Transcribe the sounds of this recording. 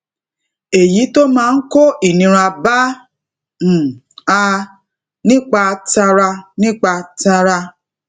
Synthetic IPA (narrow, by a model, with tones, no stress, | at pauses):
e˨ji˨˦to˦mãː˦˧n̩˦ko˦i˦˨nĩ˧ɾ̃a˧ba˦˨ | a˧ | nĩ˦k͡pa˧ta˧ɾa˧nĩ˦k͡pa˧ta˧ɾa˧